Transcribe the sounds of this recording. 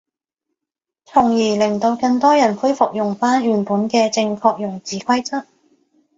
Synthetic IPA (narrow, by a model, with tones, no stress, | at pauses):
t͡sʰʊ˨˩ŋjiː˨˩lɪ˨˩ŋt̪o˧wkɐ˧ŋt̪ɔː˥jɐ˨˩npʰu˥jfʊ˨k̚jʊ˨˩ŋfaː˥nhyː˨˩npuː˨˥nkɛː˧t͡sɪ˧ŋkʰɔː˧k̚jʊ˨˩ŋt͡siː˨kʷʰɐ˥jt͡sɐ˥t̚